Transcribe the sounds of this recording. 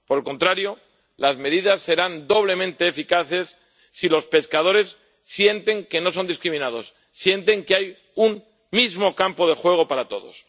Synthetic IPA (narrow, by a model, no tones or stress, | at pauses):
poɾe̞lko̞nt̪ɾaɾjo̞ | lazme̞ðiðasːe̞ɾand̪o̞β̞le̞mẽnt̪e̞ːfikaθe̞sː | ilo̞spe̞skaðo̞ɾe̞sː | je̞nt̪e̞ŋke̞no̞so̞nd̪iskɾimĩnað̞o̞sː | je̞nt̪e̞ŋkeaj | unː | izmo̞kampo̞ð̞e̞xwe̞ɣ̞o̞paɾat̪o̞̰ðo̞̰s